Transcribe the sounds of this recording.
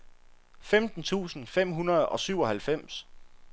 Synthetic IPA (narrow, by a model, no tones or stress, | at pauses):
femd̥n̩t͡sʰṵːsn̩fem̰ɦunɐð̞̩ˠɒ̽syʊɒ̽ɦælfem̰s